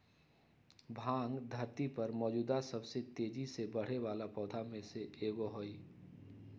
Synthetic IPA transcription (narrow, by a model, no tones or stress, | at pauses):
bʱãːŋɡd̪ʱəɾt̪ipəɾmɔːd͡ʒuːd̪asəbset̪eːd͡ʒisebəɽ̤eʋaːlapɔːd̪ʱamẽseeːɡoɦoi